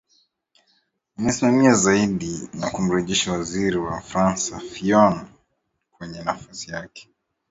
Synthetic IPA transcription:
unasimamiazaiɗinakum̩ɾɛʄɛʃawaziɾiwafɾansafiɔn | kwɛɲɛnafasijakɛ̥

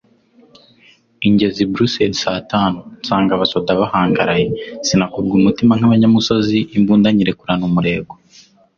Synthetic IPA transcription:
iɲɟe̞zibɾuseɾisaːtaːnunsaːŋɡaβaso̞daβahaːŋɡaɾaje̞sinakuɾɡumutimaŋ̥aβaɲamuso̞ziːmbuːndaɲiɾe̞kuɾanumuɾe̞ːɡo

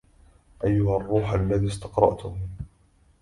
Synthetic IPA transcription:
ʔajːʊharˤːuːħalːaðiːst̪ɑqɾˤɑ̰ʔt̪ʊ

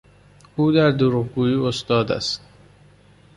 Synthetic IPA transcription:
uːd̪æɾd̪oɾuʁɡuːjiːost̪ɒːd̪æ̰st̪̚

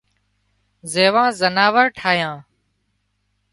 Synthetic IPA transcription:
zeːʋãːzənaːʋəɾʈʰaːjãː

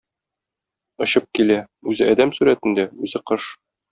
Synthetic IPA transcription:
ŏɕɤp̚kilæ | ʉzɘʔɒd̪æmsʉɾæt̪ɘ̆nd̪æʉzɘqɤʃ

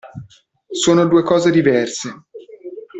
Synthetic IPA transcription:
soːnod̪uːekɔːzed̪ivɛrse

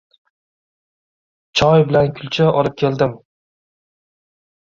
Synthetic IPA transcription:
t͡ʃʰɒjbɪlankʲʰʊlˠt͡ʃʰaʔɒlɪp̚kʲʰe̞ld̪ɪm

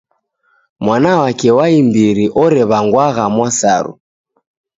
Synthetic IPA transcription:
mwanawakɛwaimbiɾiʔɔɾɛβaŋɡwaɣamwasa̰ɾṵ

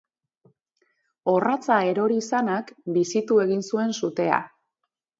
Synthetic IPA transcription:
o̞rat͡sae̞ɾo̞ɾiːsanakbisit̪ue̞ɣinsue̞nsut̪e̞a̰

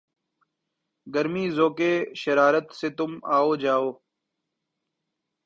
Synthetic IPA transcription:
ɡəɾmiːzoːkeːʃəɾaːɾət̪seːt̪ʊmaːoːd͡ʒaːoː

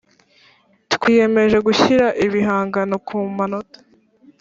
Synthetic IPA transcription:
twiːje̞me̞ʒe̞ɡuçiɾaʔiβiɦaːŋɡano̞kʰuːmanotḁ

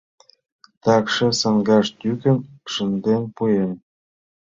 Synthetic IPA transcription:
t̪ɑkʃĕsɑŋɡɑʃt̪ykə̆nʃə̆nd̪enpujen

